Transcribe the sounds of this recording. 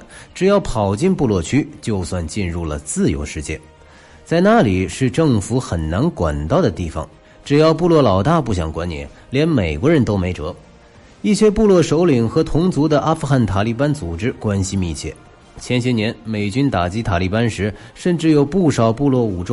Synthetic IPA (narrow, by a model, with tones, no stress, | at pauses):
ʈ͡ʂɻ̩˨˩jɑ˥˩ʊpʰɑ˨˩ʊt͡ɕi˥˧npu˥˧lwɔ˥˩t͡ɕʰy˥t͡ɕjo˥˧ʊswa˥˧nt͡ɕi˥˧nɻu˥˩lə̰˩t͡sɹ̩˥˩jo̰˧˥ʊʂɻ̩˥˧t͡ɕjɛ̰˥˩n | t͡sa˥˧ɪna˥˩li˨˩ʂɻ̩˥˧ʈ͡ʂɤ˥˩ŋfu˧˥xə˨˩nna˧˥nkwa̰˨˩nt̪ɑ˥˩ʊd̪ə˩t̪i˥˩fɑ̰˨˩ŋ | ʈ͡ʂɻ̩˨˩jɑ˥˧ʊpu˥˧lwɔ˥˩lɑ˨˩ʊt̪a˥˧pu˥˩ɕ̬jɑ̰˨˩ŋkwa˥nnjɛ̰˧˥˦n | ljɛ˧˥nme˨˩ɪkwɔ˧˥ɻə˧˥nt̪o˥ʊme˧˥ɪʈ͡ʂɤ˧˥ | i˥˩ɕjɛ˥pu˥˧lwɔ˥˩ʂo˧˥ʊli˨˩ŋxɤ˧˥t̪ʰʊ˧˥ŋt͡su˧˥d̪ə˧ʔa˥fu˥˧xa˥˩nt̪ʰa˨˩li˥˩pa˥nt͡su˨˩ʈ͡ʂɻ̩˥kwa˥nɕi˧mi˥˧t͡ɕʰjɛ̰˥˩ | t͡ɕʰjɛ˧˥nɕ̬ʰjɛ˧˥njɛ˧˥nme˨˩ɪt͡ɕy˥nt̪a˨˩t͡ɕi˧˥t̪ʰa˨˩li˥˩pa˥nʂɻ̩˧˥ʂə˥˧nʈ͡ʂɻ̩˥˩jo˨˧˩ʊpu˥˩ʂɑ˨˩ʊpu˥˧lwɔ˥˩u˨˩ʈ͡ʂʊ˥